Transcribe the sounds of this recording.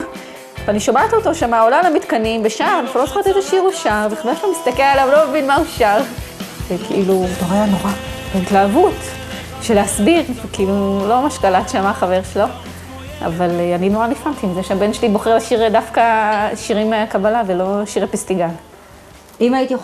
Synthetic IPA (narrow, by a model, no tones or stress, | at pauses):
vaniʃomat̪ioto̞ʃamaolalamit̪kanimbeʃaʁanaχulosχat̪ezeʃiʁbeʃaʁbeχadeʃamist̪akelalavlo̞mevinmauʃaʁ | vekʰḭʔilut̪oʁajanoʁabentlaːvut | ʃeleasbiʁvekiilulo̞maʃkalatʃamaχave̞ʁʃelo̞ | a̰valeaninoʁanifamt̪iːmzeʃeabe̞nʃelibo̞χelaʃiʁd̪afkaʃiʁimːeakabalavelo̞ʃiʁepist̪iɡal | imait̪ij